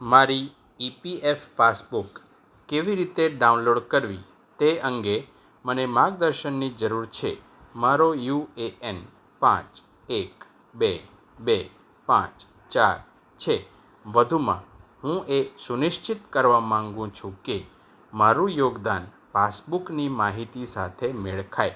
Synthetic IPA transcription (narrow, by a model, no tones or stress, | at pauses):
maɾiː | piefːasbukː | eʋiɾit̪eɖaunloɖkəɾʋḭ | t̪eəŋɡe | mənemaɡ̚d̪əɾʃənːid͡ʒəɾuɾt͡ʃʰḛ | maɾojueɛn | pã̰t͡ʃ | ek | be | be | pã̰t͡ʃ | t͡ʃaɾ | t͡ʃʰe | ʋəd̪ʱumã̰ɦũʔesunɪʃt͡ʃit̪kəɾʋamãŋɡũt͡ʃʰũke | maɾũjoɡd̪an | pasbuknimaɦit̪isat̪ʰemeɭkʰae